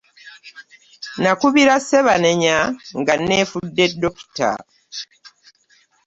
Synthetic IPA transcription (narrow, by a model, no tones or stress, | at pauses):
nakuβiɾaseβaneɲaŋɡanːeːfudːe̞dːoku̥ta̰